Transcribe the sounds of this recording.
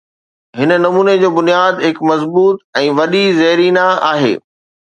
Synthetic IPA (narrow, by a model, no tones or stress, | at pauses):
ɦɪnənɐmuːned͡ʑoːbʊnijaːd̪ɦɪkmɐzbuːt̪̚ɛ̃ːʋɐɗizɐɦɾiːnaaːɦḛː